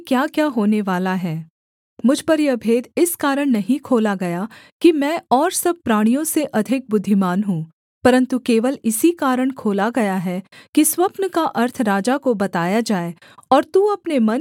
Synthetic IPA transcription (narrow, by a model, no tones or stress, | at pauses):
kjaːkjaːɦoːneʋaːlaɦɛː | mʊd͡ʒʱpɐɾjeɐbʱeːd̪ɪskaːɾəɽ̃nɐɦĩkʰoːlaɡɐjakimɛ̃ːɔːɾsɐb̚pɾaːɽ̃ijõseʔɐd̪ʱɪk̚bʊd̪ʱːɪmaːnɦũː | pɐɾə̃nt̪ukeːʋəlɪsikaːɾəɽ̃kʰoːlaɡɐjaɦɛkiswɐpnəkaʔɐɾt̪ʰɾaːd͡ʒakobɐt̪aːjad͡ʒaːe | ɔːɾt̪uːɐpnemɐn